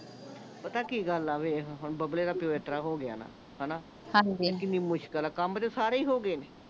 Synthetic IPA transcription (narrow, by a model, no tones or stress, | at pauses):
pət̪aːkiːɡəlaːʋeːɦɦʊnbəbleːɾaːpjoːet̪ɾaːɦoːɡɪja̰ːna̰ː | hənaː | hãd͡ʒikɪniːmʊʃkəlaːkəmt̪esaːɾeːiːɦoːɡeːneː